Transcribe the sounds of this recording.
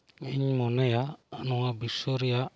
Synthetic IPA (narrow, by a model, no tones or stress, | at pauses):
iɲmɔnejanoabisoɾia